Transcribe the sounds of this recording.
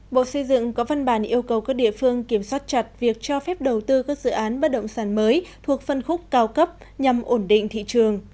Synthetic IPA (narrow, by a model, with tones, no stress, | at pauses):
ɓo̰˧˨sə˧jzɨ̰˧˨ŋkɔ˨˦va˧nɓaː˧˩nʔi˧əwkə˨˩wkaː˦˥k̚ɗḭ˧˨əfɨ˧əŋki˧˩əmswaː˦˥t̚t͡ɕa˨˩t̚vi˨˩ək̚t͡ɕɔ˧fɛ˦˥p̚ɗə˨˩wt̪ɨ˧kaː˦˥k̚zɨ̰˧˨ʔaː˨˦nɓə˦˥t̚ɗə̰˧˨wŋ͡msaː˧˩nməː˨˦jt̪ʰu˨˩ək̚fə˧nxʊ˦˥k͡p̚kaː˧wkə˦˥p̚ | ɲa˨˩mʔo˧˩nɗḭ˧˨ŋ̟t̪ʰḭ˧˨t͡ɕɨ˨˩əŋ